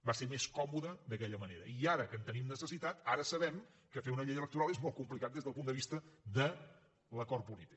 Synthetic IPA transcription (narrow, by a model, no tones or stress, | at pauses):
baseɾmeskɔmuðəðəkɛʎəməneɾə̰iaɾəkənt̪ənimnəsəsit̪at̪aɾəsəβɛm | kəfeunəʎejələk̚t̪uɾalˠezmɔlˠt̪kumplikat̪̚d̪ezðəlˠpund̪əβist̪əðə | ləkɔrpulit̪i̥k̚